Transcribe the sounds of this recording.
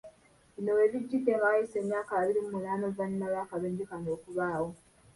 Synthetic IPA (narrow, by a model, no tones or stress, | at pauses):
βino̞we̞ːβiɟːiɡe̞ːŋɡaajisemjaːkaβaβiɾimumunaːmovannaβaːkaβeɲɟikanɡoːkuβaːwo̞